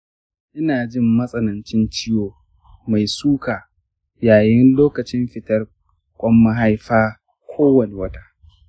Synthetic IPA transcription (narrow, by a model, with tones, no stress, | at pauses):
ʔɪ˦naː˨d͡ʒɪ˦mːɐ˦sʼɐ˦nɐ˨nt͡ʃɪ˦nt͡ʃɪ˦joː˨ | ma˨jsuː˦kaː˨ | jaː˨jɪ˦nloː˦kɐ˨t͡ʃɪ˦mɸɪ˨tɐ˦r | kʷʼɔ˦mːɐ˦ɦa˦jɸaː˦ | kʷʰoː˦wɐ˨ne˨wɐ˦taː˦